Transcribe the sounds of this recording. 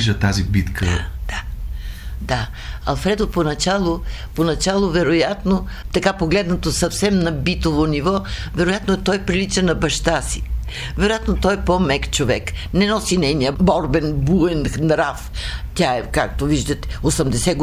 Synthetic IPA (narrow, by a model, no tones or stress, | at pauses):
ʒət̪azibit̪kʰəd̪̥a | d̪a | ɐ̰lˠfɾɛd̪oponɐt͡ʃalˠoponɐt͡ʃalˠovɛɾojat̪no | t̪ɐkapoɡlɛd̪nɐt̪osɐfsɛmnɐbit̪ovonivɔ | vɛɾojat̪noɛt̪ɔjpɾilit͡ʃɛnɐbɐʃt̪asi̥ | vɛɾojat̪not̪ɔjɛpɔmɛkt͡ʃovɛknɛnɔsinɛjniəbɔɾbɛnbuɛnxnɾaft̪ʲaɛkak̚t̪oviʒd̪ət̪ɛ̥osɐmd̪ɛsɛɡ